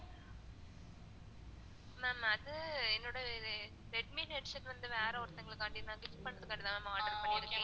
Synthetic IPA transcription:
mɛmɐðɯɛnːoːɽɐɾ | ɾɛɖ̚mineːʈʂɐnʋɐnd̪ɯʋaːɾɐɔɾt̪ːɐŋɡɐɭɯkːɐɳʈɪnɐɡɪt͡ʃpɐɳːɐðɯkːɐɳɖɪðãːɐmaːɖɐɾpɐɳːiɪɾɯkːẽ

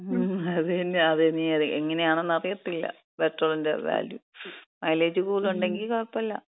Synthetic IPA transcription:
ɐðnːeɐðeniɐðeŋːɐne̞jaːɳɨnɐrjɐt̪ːilːɐ̰ | beʈrolɭindḛʋa̰ːljumɐjleːd͡ʑukuːluɳɖe̞ŋɡilkoɭɐpːɐlːɐ̰

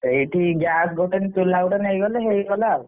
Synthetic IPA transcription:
ejʈiɡasɡoʈenit̪ulːauʈenejɡɔleɦejkɔla

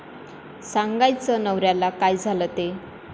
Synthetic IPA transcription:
saŋɡajt͡sənəwɾjalakajd͡zʱalət̪e

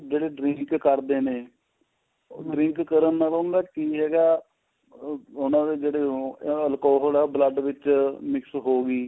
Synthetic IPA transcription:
d͡ʒeːɽeːɖɾɪŋkːəɾd̪eːneː | ɖɾɪ̃ŋkkːəɾənːaːloʊnd̪aːkiːɦɛːɡaː | ʊnãːd̪eːd͡ʒeːɽeːəlkɔːɦəlɛːbləɖʋɪt͡ʃmɪksɦoːɡiː

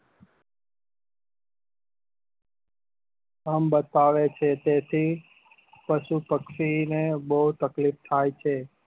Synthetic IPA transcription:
əmbət̪aʋet͡ʃʰet̪et̪ʰi | pəʃupəkʃinebəɦut̪əklift̪ʰajt͡ʃʰe

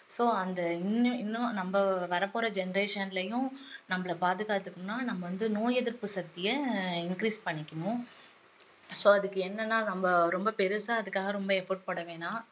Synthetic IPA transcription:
soːɐnd̪ɐɪnːɯɪnːʊ̃nɐmbɐʋɐɾɐpːoːɾɐd͡ʒɛnɐɾeːʂɐnlɐjʊ̃nɐmːɐɭɐpaːðɯɣaːt̪ːɯkːnʊ̃nːaːnɐmːɐʋɐnd̪ɯnoːjɛðɪɾpɯsɐt̪ːɪjɐɪnkɾiːspɐɳːɪkʲːɐɳʊ̃ | soːɐðɯkːɯɛnːɐnːaːnɐmbɐɾɔmbɐpɛɾɯsaːɐðɯkːaːɣɐɾɔmbɐɛfɐʈ̚pɐɽɐʋẽːnaː

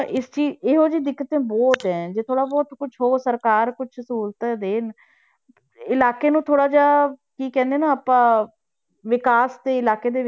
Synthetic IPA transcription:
ʔɪst͡ʃiːd͡ʒeːɦoːd͡ʒiːd̪ɪkːət̪ẽːbɔːt̪ɦɛ̃ːd͡ʒeːt̪ʰoːɽaːbɔːt̪kʊt͡ʃʰɦoːsəɾkaːɾkʊt͡ʃʰsuːɾt̪ɛd̪eːn | ɪlaːkeːnũːt̪ʰoːɽaːd͡ʒaːkiːkɛ̃ːnd̪eːnaːaːpãː | ʋɪkaːst̪eːɪlaːkeːd̪eː

